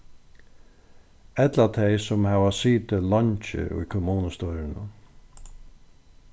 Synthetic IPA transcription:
ɛt̪lat̪ʰɛjsʊmhaʋasiːt̪ɪlɔɲt͡ʃɪ̰ʔṵjkʰʊmuːnəst̪ɔɾɪnə̰

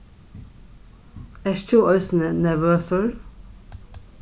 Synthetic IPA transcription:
æːʃt̪ʰuːʔœʏsn̩ənæʋøːsəɹ

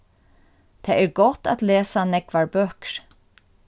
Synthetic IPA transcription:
t̪ʰɛːɛɹɡɔt̪a̰t̪leːsanɛkʋaɹbøːkɾ

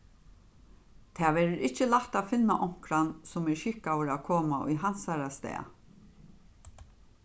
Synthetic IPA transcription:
t̪ʰɛːʋɛːɾɪɾɪt͡ʃəlaht̪afɪnːaʔɔŋ̥kɾansʊmɛɹʃɪkawəɹaːkʰoːmaʔʊ̰jɦan̥saɾast̪ɛ̰ːa̰

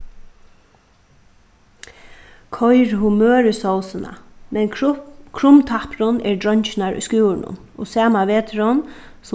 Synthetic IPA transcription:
kʰɔjɾhumøːɾəsɔwsɪna̰mɛnkʰɾʊmt̪ʰapɾʊnɛɹdɹœɲt͡ʃɪnaɹʊ̰jskuːɪnʊ̰n | ɔ̰sɛːmaʋeːt̪ʰɾɔns

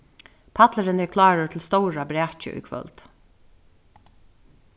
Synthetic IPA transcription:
pʰat̪ləɾɪnɛɹkʰlɑːɹʊt̪ʰɪlst̪ɔwɹabɾæːt͡ʃɪ̰ʔṵjkʰʋœ̰lt̪

